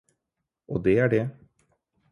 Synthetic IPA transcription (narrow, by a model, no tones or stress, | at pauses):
ʔo̰ːd̪eːæːɖeː